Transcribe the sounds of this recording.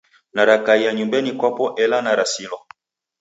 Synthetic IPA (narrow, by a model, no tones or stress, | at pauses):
naɾakaijaɲumbɛnikwapɔʔɛlanaɾasilɔ